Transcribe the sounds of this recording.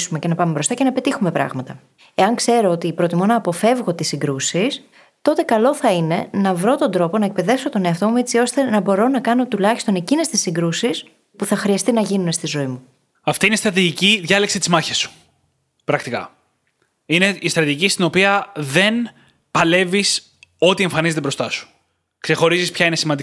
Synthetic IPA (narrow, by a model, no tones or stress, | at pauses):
sume̞cenɐpɐmebɾo̞st̪ɐcenɐpe̞t̪ixume̞pɾɐ̰ɣmɐt̪ɐ | e̞ɐŋkse̞ɾo̞ot̪ipɾot̪imonɐːpo̞fe̞vɣo̞t̪isːiŋɡɾusis | t̪o̞t̪e̞kɐlo̞θɐine̞nɐvɾo̞t̪o̞nd̪ɾo̞po̞nɐek̚pe̞ðe̞fso̞t̪o̞neɐft̪o̞muet͡sio̞st̪e̞nɐbo̞ɾo̞nɐkɐno̞t̪ulɐçist̪o̞ne̞cine̞st̪isːiŋɡɾusis | puθɐxɾiɐst̪inɐʝinune̞st̪izo̞imu | ɐft̪iinest̪ɾɐt̪iʝiciðʝɐleksit̪izmɐçesu̥ | pɾɐkt̪ikɐ̰ | ine̞ist̪ɾɐt̪iʝicist̪ino̞piɐðe̞n | pɐle̞vis | o̞t̪ie̞ɱfɐnizet̪ebɾo̞st̪ɐsu̥ | kse̞xo̞ɾizispçɐinesimɐnd̪i